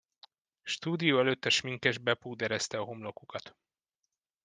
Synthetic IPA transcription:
ʃt̪uːd̪ijoːɛløt̪ːɛʃmiŋkɛʒbɛpuːd̪ɛɾɛst̪ɛɒɦomlo̞kukɒt̪

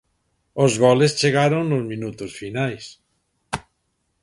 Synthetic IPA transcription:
ozɣɔlest͡ʃeɣaɾoŋnozmĩnut̪osfinajs

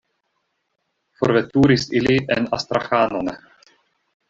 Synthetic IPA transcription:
fo̰ɾvetuɾisiliʔena̰st̪ɾaxano̞n

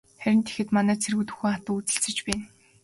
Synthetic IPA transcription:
χæɾʲɪ̆nt̪ʰe̥xɘ̆t̪manæːt͡sʰerɣut̪ɵ̥̆xuːχat̪ʊːut͡sɘ̆ɬt͡sɘ̆t͡ɕpæːn

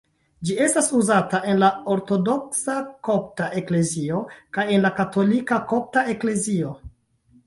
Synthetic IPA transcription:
d͡ʒie̞stasuzataʔe̞nlao̞ɾto̞do̞ksako̞p̚taʔe̞kle̞zio̞kaje̞nlakato̞likako̞p̚tae̞kle̞zio̞

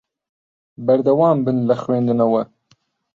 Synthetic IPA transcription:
baɾd̪awɑːmbənlaxwẽnd̪unawa

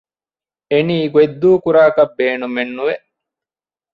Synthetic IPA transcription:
eniːɡued̪ːuːkuɾaːkɐbeːnumenːuʋeʔ

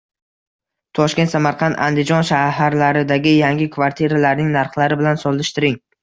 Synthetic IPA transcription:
t̪ʰɒʃkʲe̞nt̪samaɾqʰɑnt̪ʰa̰nd̪ɪd͡ʒɒnʃaɦaɾlaɾɪd̪aɡʲɪjaŋɡʲɪkʰvaɾt̪ʰiɾalaɾnɪŋnaɾχlˠaɾɪbɪlansɒlˠɪʃt̪ʰɪɾɪŋ

